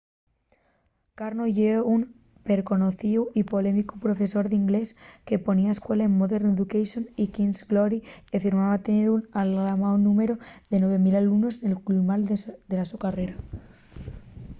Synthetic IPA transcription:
kaɾnoʝeoun | pe̞ɾko̞no̞θiuipo̞le̞mikupɾo̞fe̞so̞ɾðiŋɡle̞ske̞po̞niaeskwe̞laemmoðeɾneðukejsjonikinsɡloɾikefiɾmaβat̪eneɾunallamawonũme̞ɾo̞ðe̞nwe̞β̞e̞milalumno̞senelklumald̪e̞lasukare̞ɾa

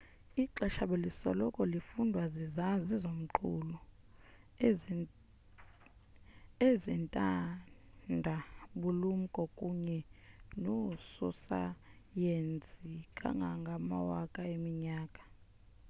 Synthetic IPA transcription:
iǃɛʃaɓelisɔlɔkʼɔlifundʱwazizazizom̩ǃʰuːlɔ | ezintʼa | ndʱaɓulum̩kʼɔkʼuɲɛnosusa̰ | jend͡zʱʼikʼa̰ŋɡʱaŋɡʱama̰wakʼaemiɲaːkʼḁ

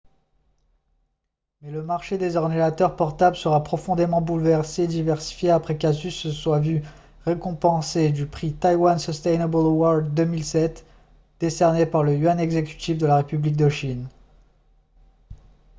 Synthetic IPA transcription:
mɛləmaʁʃed̪ezɔʁninat̪œʁpɔʁt̪abləsəʁapχɔfɔ̃d̪emɑ̃bulvɛʁseːd̪ivɛʁsi̥fjeapχɛkazysswavy | ʁekɔ̃pɑ̃sed̪ypχit̪ajwansəst̪ɛjnebəlwɔʁd̪d̪ømilsɛt̪ | d̪̥esɛʁnepaʁləyanɛɡzekʲy̥t̪ifd̪əlaʁepyblik̚d̪əʃin

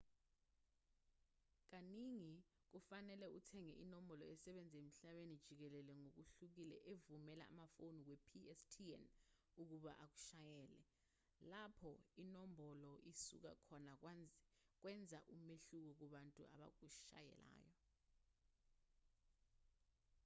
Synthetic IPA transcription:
k̬aniŋi | k̬ufanɛlɛutʰɛŋɛʔinɔmbʱɔlɔɛsɛɓend͡zʱem̩ɬaɓenid̥ʒ̥ʱik̬ɛlɛlɛŋok̬uɬuk̬ilɛ̰ʔevumɛla̰a̰mafonik̬wepʰiɛstʰiɛ̰n | uk̬uɓa̰ʔak̬u̥ʃajɛːlɛ | lapʰɔinombɔlɔisṵk̬a̰kʰɔnak̬wand͡zʱik̬wɛnd͡zʱaʔumeɬuk̬ɔk̬uɓantʼua̰ɓa̰k̬uʃa̰jɛ̰la̰ːjɔ

